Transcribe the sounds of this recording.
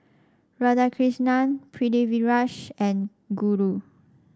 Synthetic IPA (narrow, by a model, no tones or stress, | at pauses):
ɹadakʰɹisnãnpʰɹideviɹaʃɛ̃n | ɡuɹu